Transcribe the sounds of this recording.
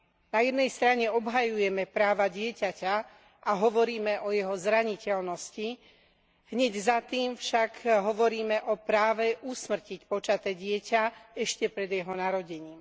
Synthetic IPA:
najɛd̪nɛjst̪ɾaɲɛɔbɦajujɛmɛpɾaːʋaɟɪɛcaca | ʔaɦɔʋɔɾiːmɛʔɔjɛɦɔzɾaɲicɛlnɔsci | ɦɲɛɟzat̪iːmfʃakɦɔʋɔɾiːmɛʔɔpɾaːʋɛʔusmr̩cicpɔt͡ʃat̪ɛːɟɪɛcaɛʃcɛpɾɛd̪jɛɦɔnaɾɔɟɛɲiːm

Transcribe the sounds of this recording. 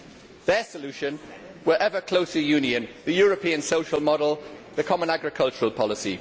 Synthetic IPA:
ðəsəlʉˑʃə̃n | wəɹʔɛvəkʰl̥oʊsəjʉːnjə̃nðəjɔːɹəpʰĩə̃nsoʊʃəlˠmɒdəl̩ˠðəkʰɒmə̃naɡɹɪkʰʌlˠt͡ʃəɹəlˠpʰɒlɪsḭ

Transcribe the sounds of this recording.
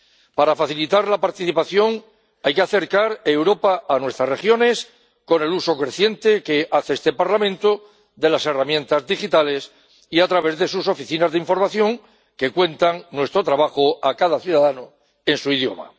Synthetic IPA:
paɾafaθilit̪aɾlapaɾt̪iθipaθjo̞ŋ | ajkeaθe̞ɾkaɾe̞wɾo̞paanwe̞st̪ɾarexjo̞ne̞s | ko̞ne̞luso̞kɾe̞θje̞nt̪eke̞ʔaθest̪e̞paɾlamẽ̞nt̪o | ðe̞lase̞ramjẽ̞nt̪azðixit̪ale̞s | iat̪ɾaβe̞zðe̞suso̞fiθinazðeiɱfo̞ɾmaθjo̞ŋ | ke̞kwe̞nt̪aŋnwe̞st̪ɾo̞t̪ɾaβaxoakaðaθjuðaðano | e̞nsuiðjo̞̰ma̰

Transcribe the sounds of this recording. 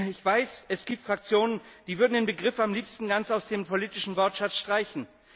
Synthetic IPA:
ɪçv̥aɪsɛsɡ̥iːp̚tfʁ̥ak̚t͡sjoːnənd̥iːvʏɐdn̩deːnbəɡʁɪfamliːpstn̩ɡant͡saʊsd̥eːmpʰoliːtɪʃn̩vɔɐtʃat͡sʃtʁ̥aɪçn̩

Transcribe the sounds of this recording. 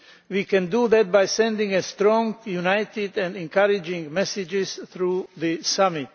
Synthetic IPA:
wiːkʰɛ̃nduðɛt̪̚bajsɛ̃ndɪ̃ŋɛst̪ɾɔ̃ŋɡjunaɪt̪ɪdɛ̃ndɛ̃nkʰaɾɪd͡ʒɪ̃ŋmɛsɪd͡ʒɪsθɾuːðɨsamɪt̪

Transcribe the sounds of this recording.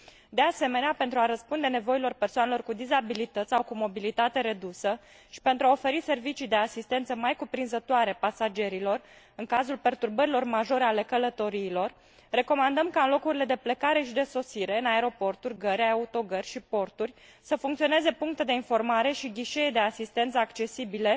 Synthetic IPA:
d̪e̞ase̞me̞neape̞nt̪ɾuaɾəspund̪e̞ne̞vo̞ilo̞rpe̞rsoanelo̞rkud̪izabilit̪ət̪sʲsawkumo̞bilit̪at̪e̞ɾe̞d̪usə | ʃi̥pe̞nt̪ɾuaofe̞ɾise̞rvit͡ʃijd̪e̞asist̪e̞nt̪səmajkupɾinzət̪oaɾe̞pasad͡ʒe̞ɾilo̞r | ɨŋkazulpe̞rt̪urbəɾilo̞rmaʒo̞ɾeale̞kələt̪o̞ɾiːlo̞rː | e̞ko̞mand̪əmkaɨnlo̞kuɾile̞d̪e̞pləkaɾe̞ʃid̪e̞so̞siɾe̞ɨnae̞ɾo̞po̞rt̪urʲɡəɾʲaaut̪o̞ɡərʲʃipo̞rt̪urʲ | səfuŋkt̪sione̞ze̞puŋk̚t̪ed̪e̞info̞rmaɾe̞ʃiɡʲiʃe̞ed̪e̞asist̪e̞nt̪səakt͡ʃe̞sibile̞

